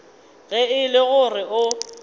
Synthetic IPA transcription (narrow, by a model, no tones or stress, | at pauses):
ɣɛɪlɪɣʊrɪʊ